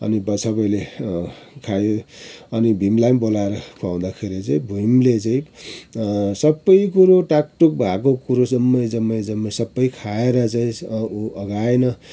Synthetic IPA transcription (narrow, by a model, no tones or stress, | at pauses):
ʌ̰nibʌsʰʌbʌjle | kʰajoʌnibʱimlajmbolaeɾʌkʰuaw̃d̪akʰeɾit͡saĩbʱujmlet͡saĩ | sʌbːʌjkuɾoʈak̚ʈuk̚bʱakokuɾosʌmːʌjd͡zʌmːʌjd͡zʌmːʌsʌbːʌjkʰaeɾʌt͡saĩʌɡaenʌ